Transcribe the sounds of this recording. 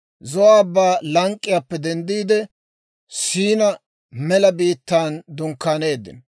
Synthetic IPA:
zɔwaːbːaːlɐŋkʼːɪjaːpːɛd̪ɛnd̪iːd̪ɛ | siːnɐ | mɛlɐbiːt̪ːaːnd̪ʊŋkːaːne̞ːd̪ːɪ̰n

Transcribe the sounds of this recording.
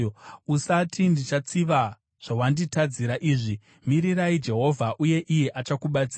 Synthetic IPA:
usatʰindit͡ʃat͡siʋa | ʐ̥awanditad͡ziɾaʔiːʐi | miɾiɾaid͡ʒe̞ɦo̞vʱaʔuje̞ʔije̞ʔat͡ʃakuɓat͡si

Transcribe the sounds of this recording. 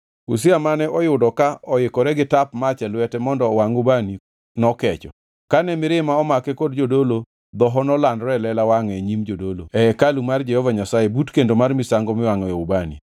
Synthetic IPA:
usɪamanɛʔɔjʊdɔkaʔɔjɪkɔɾɛɡɪtapmat͡ʃɛlwɛtɛmɔndɔwaŋʊbani | nɔkɛt͡ʃɔ | kanɛmɪɾɪmaɔmakɛkodd͡ʒodolo | d̪ɔɦɔnɔlandɾɛlɛlawaŋɛɲimd͡ʒodoloɛkalumard͡ʒɛhɔvaɲasajebutkendomarmɪsaŋɡɔmɪwaŋɔjɔubanḭ

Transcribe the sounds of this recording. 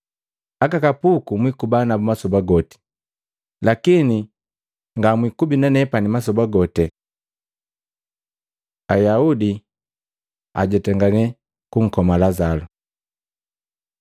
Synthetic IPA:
akakapukumwikubanabumasɔbaɡɔtɛ̥ | lakini | ŋɡamwikubinanɛpanimasɔbaɡɔtɛ | ajaudi | a̰ɟɛtɛŋɡanɛ | kuŋ̩kɔmalazalu

